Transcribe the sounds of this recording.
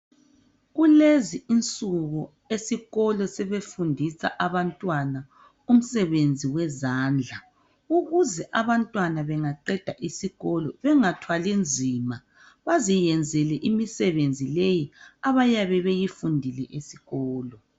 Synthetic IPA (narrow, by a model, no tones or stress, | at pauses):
ɣuleziint͡sʼuɣɔ | esiɣɔlɔsɛβefundʱisa̰ʔaβantʼwana | um̩sɛβend͡zʱiwɛzaːnd͡ɮʱa | uɣuzɛʔaβantʼwanaβɛŋaǃɛd̥ʱaʔisiɣɔlɔβɛŋatʰwalind͡zʱiːma | βazijɛnd͡zʱɛlɛʔimisɛβend͡zʱilejiaβajaβɛβejifundʱilɛʔesiɣɔːlɔ